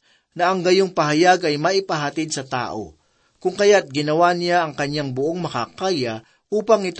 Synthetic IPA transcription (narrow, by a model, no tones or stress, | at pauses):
nɐʔɐŋɡɐjoŋpɐɦɐjaɡɐjmɐʔɪpɐɦɐt̪ɪd̪̚sɐt̪a̰ːʔo̞̰ | kʊŋkɐjat̪̚ɡɪnɐwanɪjaʔɐŋkɐɲjaŋbʊʔo̞ŋmɐkakaːjɐ | ʔuːpɐŋɪt̪